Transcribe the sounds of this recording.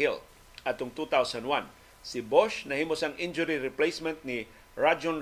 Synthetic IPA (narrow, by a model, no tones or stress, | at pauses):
il | ʔat̪ʊŋt̪ut̪awsand̪wãn | sɪboʃnɐhimʊsɐŋʔind͡ʒʊɾiɾɪplejsmɛ̃nt̪̚nɪ | ɹad͡ʒon